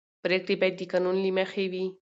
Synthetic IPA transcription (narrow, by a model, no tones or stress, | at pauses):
pɾekɾipajt̪ikanunlimaxewi